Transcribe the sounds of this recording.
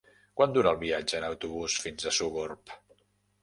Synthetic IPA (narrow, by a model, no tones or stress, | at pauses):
kwand̪uɾəːlˠβiad͡ʒəːnəwt̪uβusfinzəsuɣorp